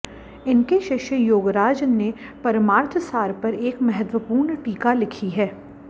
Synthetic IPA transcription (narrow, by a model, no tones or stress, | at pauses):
ɪnkeʃɪʃjəjoːɡɾaːd͡ʒənːepɐɾmaːɾt̪ʰəsaːɾpɐɾeːkmɛɦɛt̪wəpuːɾnʈiːkalɪkʰiɦɛː